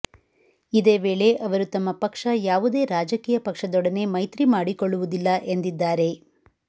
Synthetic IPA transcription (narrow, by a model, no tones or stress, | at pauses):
id̪e̞ːʋe̞ːɭe̞ʔɐʋɐɾut̪ɐmːɐpɐkʂɐjaːʋud̪e̞ːɾaːd͡ʒɐkiːjɐpɐkʂɐd̪ɔɽɐne̞mɐjt̪ɾimaːɽikoɭːuʋud̪ilːɐʔe̞nd̪id̪ːaːɾe̞